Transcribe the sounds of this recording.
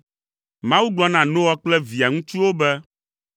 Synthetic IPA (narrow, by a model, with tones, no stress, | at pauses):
mã˦wu˦ɡ͡blɔ˦nã˨nõ˦wɔ˦k͡plɛ˦vi˨a˨ŋũ˦t͡ʃu˦wo˦bɛ˦